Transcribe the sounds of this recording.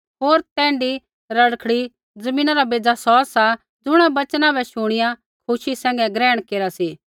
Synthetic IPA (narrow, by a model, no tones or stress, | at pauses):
ɦoːɾt̪ɛ̃ːɳɖi | ɾɐɽkʰɽi | d͡zɐmĩːnaɾabeːd͡zasɔːsa | d͡zʊɽ̃abɐt͡ʃnãbɛʃʊɽ̃ɪja | kʰʊʃisɛ̃ːŋɡɛɡɾɛːɽ̃keːɾasiː